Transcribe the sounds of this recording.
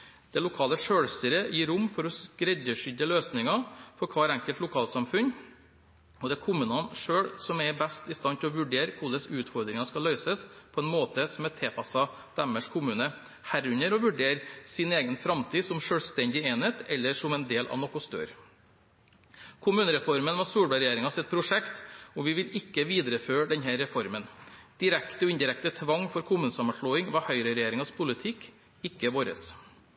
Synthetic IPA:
d̪̥ɛlʊkʰɑːləʂøːɽst̪əɾəjiːɾʊmːfɔɾɔskɾɛd̪əʂʏd̪əløːsnɪŋɑfɔɾkʰʋɑːɾæŋkəlt̪lʊkʰɑːlsɑmfʉn | ɔd̪ɛækʰʊmʉːnɑnʂøːɽsɔmɛbæst̪ɪst̪ɑnt̪ɪlɔʋʉɖeːɾkʰʊd̪əsʉːt̪fɔɾd̪ɾɪŋɑskɑlːœʏsəspʰɔɛnmoːt̪əsɔmɛt̪ʰeːpʰɑsɑ | d̪̥æməʂkʰʊmʉːnə | hæɾʉɲəɾɔʋʉɖeːɾsɪneːɡənfɾɑmt̪ʰiːsɔmʂøːlst̪ɛnd̪ɪeːnət̪ɛlːəʂɔmɛnd̪eːlʔɑ̰ʋnɔkʊst̪ø̰ːɾ | kʰʊmʉːnəɾɛfɔɾmənʋɑsuːɽbæɾɛjeːɾɪŋɑsɛt̪̚pʰɾʊʂɛkt̪ɔʋɪʋɪlɪkːəʋiːd̪ɾəføːɖɛnɦæɾːɛfɔɾmənd̪̥ɪɾɛkt̪əɔɪnd̪ɪɾɛkt̪ət̪ʰʋɑŋːfɔɾkʰʊmʉːnəsɑmːənʂɭoːɪŋʋɑhœʏɾəɾɛjeːɾɪŋɑspʰʊlɪt̪ʰɪkː | ɪkːəʋoːɾə̰s

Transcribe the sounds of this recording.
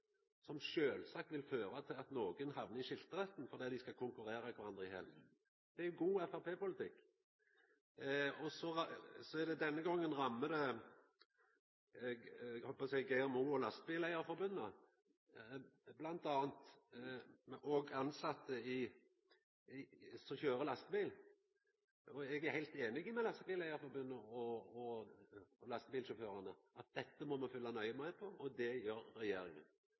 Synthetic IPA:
sɔmʃøːlsɑk̚t̪ʋɪlføːɾɑt̪ʰɪlɑt̪noːɡənhɑʋnəɪʃɪlt̪əʁɛt̪nfɔɾd̪iːt̪d̪ɪskɑkʰʊŋkʉɾeːɾɑkʰʋɑɾɑnd̪ʁɪhɛ̰l | d̪̥ɛæɾjʊɡuːɛfæɾpeːpʊlɪt̪ʰɪkː | ɔsɔsɔæd̪ɛd̪ɛnːəɡɔŋːənʁɑmːəd̪ɛ | hɔlpɔsɛɪɡɛɛmuːɔlɑst̪̚bɪlæɪəɾfɔɾbʉnːə | blɑnt̪ɑːnt̪ | ʔɔɡɑnsɑt̪ʰːəɪ | sɔçøːɾəlɑst̪əbiːl | ɔɛɡæɾhæɪt̪eːnɪɡɪmɛlɑst̪əbiːlæɪɑɾfɔɾbʉnːəɔɔ | lɑst̪əbiːlʃɔføːɾɑnəʔɑt̪̚d̪̥ɛt̪ːəmɔmɑfʏlːɑnœʏəmæɪpʰɔʔɔd̪ɛjøːɾːɛjeːɾɪŋə̰n

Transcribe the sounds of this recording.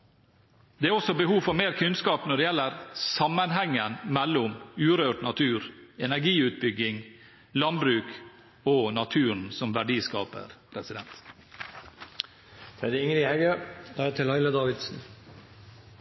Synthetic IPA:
d̪̥ɛːæːɾɔsɔbɛhuːfɔɾmeːɾkʰʉnskɑːpnɔɖɛjɛlːəɾsɑmənɦɛŋːənmɛlːʊmʉːɾøːʈnɑt̪ʰʉːɾɛnæɾɡiːʉːt̪̚bʏɡɪŋ | lɑnbɾʉːk | onɑt̪ʰʉːɾɳ̩sɔmʋæɖiːskɑ̰ːpə̰ɾpʰɾɛsɪd̪ɛnt̪ | t̪ʰɾɛd̪əɪŋɾɪhɛɡəd̪̥ɑːæt̪ʰɪlhɑɪləd̪ɑːʋɪd̪sn̩

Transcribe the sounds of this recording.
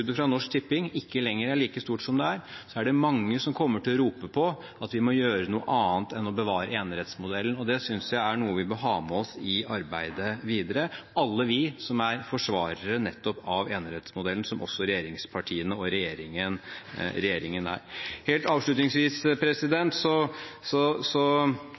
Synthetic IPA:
ʉd̪əfɾɑnɔʂk̚t̪ʰɪpːɪŋɪkːəlɛŋːəɾæɭiːkəst̪uːʈsɔmd̪ɛæɾsɔæɖɛmɑŋːəsɔmkʰɔmːəʈʰɪlɔɾuːpəpʰɔ | ʔɑt̪ʋɪmɔjøːɾənuːə̰ʔɑːnt̪ɛnɔbəʋɑːɾəeːnɾɛt̪smʊd̪ɛlːənɔd̪ɛsʏnsjæɪæɳuːəʋɪmɔɦɑːmɛɔsɪɑɾbæɪd̪əʋiːd̪əɾəɑlːəʋɪsɔmæɾfɔʂʋɑːɾəɾənɛt̪ːɔpɑʋeːnɾɛt̪smʊd̪ɛlən̩sɔmʔɔ̰sːɔɾɛjeːɾɪŋspʰɑʈʰiːənəɔɾɛjeːɾɪŋənɾɛjeːɾɪŋənæ̰ːɾheːlt̪ɑːʋʂɭʉt̪nɪŋsʋiːspʰɾɛsɪd̪ɛnt̪sɔsɔsɔ

